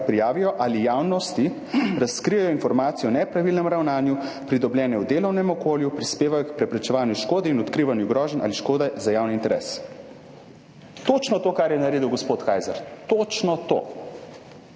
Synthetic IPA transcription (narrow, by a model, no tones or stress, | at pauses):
pɾijaːʋijɔʔalijaːwnɔst̪i | ɾaskɾijɛjɔinfɔɾmaːt̪ijɔnɛpɾaʋilnɛmɾawnaːnjupɾid̪ɔbljɛːnɛwd̪eːlɔwnɛmɔkoːljupɾispeːʋajɔkpɾɛpɾɛt͡ʃɛʋaːnjuʃkoːd̪ɛinɔt̪kɾiʋanjuɡɾɔːʒɛnʔa̰liʃkoːd̪azajaːwniːnt̪ɛɾɛs | t̪oːt͡ʃnɔt̪oːkaɾjɛnaɾeːd̪əwɡɔspoːt̪kaːjzɛɾt̪ot͡ʃnɔt̪o̰ː